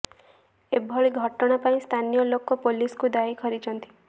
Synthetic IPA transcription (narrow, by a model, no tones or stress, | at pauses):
ebʱɔɭiɡʱɔʈɔɽ̃apaĩst̪ʰanijɔlokɔpoliskud̪aikʰɔɾit͡ʃʰɔnt̪i̥